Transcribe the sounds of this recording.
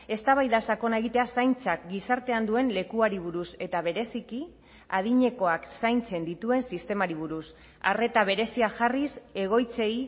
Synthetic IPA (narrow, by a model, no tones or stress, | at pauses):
e̞st̪aβajðasako̞nae̞ɣit̪e̞asajnt͡sak̚ɡisaɾt̪e̞and̪ue̞nle̞kuaɾiβuɾuse̞t̪aβ̞e̞ɾe̞siki | að̞iɲe̞ko̞aksajnt͡se̞nd̪it̪ue̞nsist̪e̞maɾiβ̞uɾus | a̰re̞t̪aβ̞e̞ɾe̞siaʝarise̞ɣ̞o̞jt͡se̞j